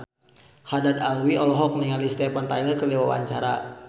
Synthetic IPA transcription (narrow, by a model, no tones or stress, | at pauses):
hadad̪alwiɔlɔɦɔk̚nɛŋalist̪ɛpant̪ajlərkərliwawa̰ɲt͡ʃaɾa